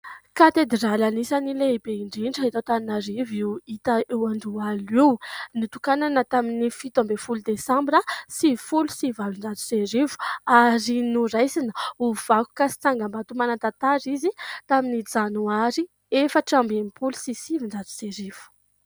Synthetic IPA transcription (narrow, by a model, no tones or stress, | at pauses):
kat̪ed̪ralanisanilebeiɳɖ͡ʐiɳɖ͡ʐəɦit̪at̪aninaɾiviwit̪aʔewand̪ualiwnit̪ukananət̪aminifit̪ambefulud̪esãmbɾəsifulu̥sivavunɖ͡ʐat̪u̥seɾivu̥aɾinuɾajsinəuv̥aku̥kasi̥t͡saŋɡambat̪umanat̪at̪aɾizit̪aminid͡zanuaɾi | efəʈ͡ʂambemipulu̥sisivinɖ͡ʐat̪u̥seɾiv̥u̥